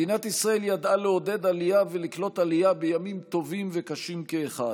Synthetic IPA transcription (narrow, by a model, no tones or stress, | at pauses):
inat̪isʁae̞ljad̪aleo̞d̪e̞d̪alijaveliklo̞t̪alijabejamimt̪o̞vimvekaʃimkeːχad